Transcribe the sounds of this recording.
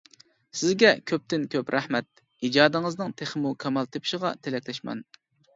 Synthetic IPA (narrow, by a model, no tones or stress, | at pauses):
sɪzɡʲɛkʲʰøp̚t̪ɪnkʲʰøpɾæhmɛt̪̚ | id͡ʒɑːd̪ɨŋɨznɨŋt̪ʰeχmukʲʰɛmɑlˠt̪ʰepʰɪ̥ʃɪʁɑt̪ʰelɛkʲlɛʃmɑ̰n